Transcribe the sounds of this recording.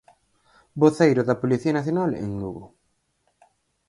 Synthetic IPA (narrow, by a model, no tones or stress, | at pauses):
boθejɾʊðɐpoliθiɐnaθjonalḛŋluɣo